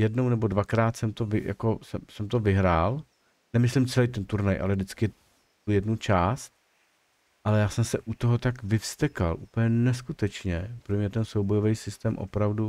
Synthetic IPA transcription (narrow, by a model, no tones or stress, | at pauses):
jɛdno̞wnɛbo̞dvakɾaːt̪sɛmt̪ovɪja̰ko̞sɛmsɛmt̪ovɪɦɾaːl | nɛmɪslɪmt͡sɛlɛjt̪̬ɛnt̪uɾnajʔa̰lɛdɪt͡skɪ | t̪ujɛdnut͡ʃaːst̪ | ʔalɛjaːsɛmsɛʔut̪oɦot̪akvɪfst̪ɛkalʔupl̩ɲɛnɛskut̪ɛt͡ʃɲɛpɾomɲɛt̪ɛnsowbojovɛjsɪst̪ɛːmʔo̰pɾavdu